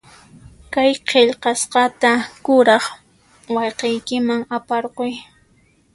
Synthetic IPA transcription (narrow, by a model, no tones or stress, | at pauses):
kajqʰeʎqɑsqɑt̪akʊɾɑχ | wɑjqejkɪmaŋapɑɾqoj